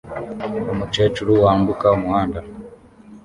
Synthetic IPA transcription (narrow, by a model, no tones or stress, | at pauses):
ɔmut͡ʃɛt͡ʃuɾuwambukamuanda